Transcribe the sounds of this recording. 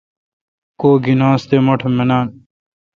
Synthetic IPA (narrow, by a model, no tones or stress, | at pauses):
koːɡinãːst̪eːmoʈʰmenaːn